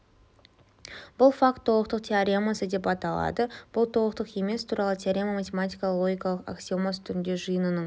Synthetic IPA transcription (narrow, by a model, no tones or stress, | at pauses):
b̥ʊlˠfak̚t̪ʰːo̞lˠəq̚t̪əq̚t̪ʰʲeaɾʲemasəd̪e̞pɑt̪ɑlˠɑ̰d̪əb̥ʊlˠt̪ʰo̞lˠəq̚t̪əqe̞me̞st̪ʰuɾɑlˠət̪ʰeaɾʲemamat̪ʲe̞mat̪ijkalˠo̞ɡʲijkɑlˠəqa̰ksʲiomast̪ʰʏɾɪnd̪e̞ʒɨjənənəɴ